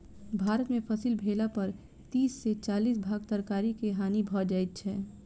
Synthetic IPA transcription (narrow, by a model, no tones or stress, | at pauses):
bʱaːɾət̪mẽpʰəsiːlbʱeːlapəɾ | t̪iːsːet͡ʃaːliːs̬bʱaːɡ̚t̪əɾkaːɾikeɦaːnibʱɔd͡ʒaːjt̪̚t͡ʃʰɛː